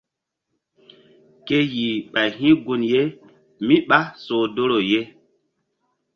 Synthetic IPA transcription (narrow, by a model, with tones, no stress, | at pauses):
ke˦ji˨ɓa˨jɦĩ˦ɡu˦nje˦ | mi˦ɓa˦so˨do˦ɾo˨je˦